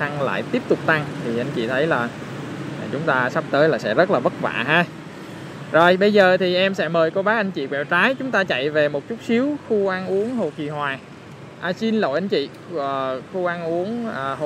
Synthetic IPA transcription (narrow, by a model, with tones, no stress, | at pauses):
a˧ŋla̰ː˧˨jt̪i˦˥əp̚t̪ʊ˨˩k͡p̚t̪a˧ŋt̪ʰi˨˩ʔa˧ŋ̟t͡ɕḭ˧˨t̪ʰə˨˦jlaː˨˩˨ | t͡ɕʊ˨˦ŋ͡mt̪aː˧sa˦˥p̚t̪əː˨˦jlaː˨˩sɛ̰˧˥zə˦˥t̚laː˨˩və˦˥t̚va̰ː˧˨ɦaː˧ | zo˨˩jɓə˧jzəː˨˩t̪ʰi˨˩ʔɛ˧msɛ̰˧˥məː˨˩jko˧ɓaː˨˦˥ʔa˧ŋ̟t͡ɕḭ˧˨kwɛ̰˧˨˩wt͡ɕaː˨˦jt͡ɕʊ˨˦ŋ͡mt̪aː˧t͡ɕa̰˧˨jve˨˩mo˨˩t̚t͡ɕu˦˥t̚si˨˦əwxu˧ʔa˧nʔu˨˦əŋɦo˨˩t͡ɕi˨˩ɦwaː˨˩ | ʔaː˧si˧nlo̰˧˨jʔa˧ŋ̟t͡ɕḭː˧˨˩ | xu˧ʔa˧nʔu˨˦əŋəː˨˩ɦ